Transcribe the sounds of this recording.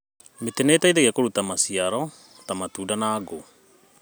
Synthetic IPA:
meteneːtaiðeɣiakoɾutamasiaɾɔ | tamatuːdanaːɡo

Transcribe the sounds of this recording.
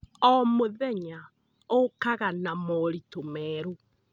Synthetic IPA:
ɔmoðɛɲa | okaɣanamɔɾitomɛːɾu

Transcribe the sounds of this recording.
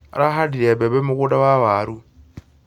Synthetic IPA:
a̰ɾaɦadiɾebɛbɛmukudawaβaɾu

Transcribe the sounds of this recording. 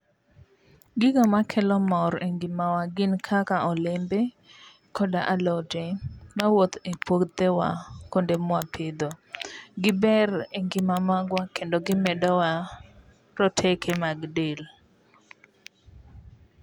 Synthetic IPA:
ɡɪɡamakʰɛlɔmɔɾeŋɡɪmawaɡɪnkʰakaʔɔlembe | kɔdaʔalɔd͡ʒemawot̪epokt̪ewa̰kondemwapʰɪd̪oɡɪbɛreŋɡɪmamaɡwakendɔɡɪmɛdɔwa | ɾɔtʰekʰemaɡdel

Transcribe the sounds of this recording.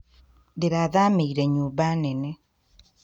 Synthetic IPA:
deɾaðameiɾeɲuːbanene

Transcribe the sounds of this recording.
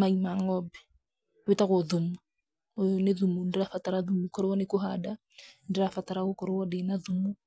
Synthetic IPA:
maimaŋɔbɛ̥ | wetaɣɔðumu | neðumundeɾafataɾaðumukɔɾowɔnekoɦada | ndeɾafataɾaokɔɾewɔdenaðumu

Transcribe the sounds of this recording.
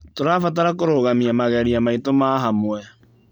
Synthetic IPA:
toɾaːfataɾakoɾoɣamiamaɣɛɾiamaitomaɦamwɛ

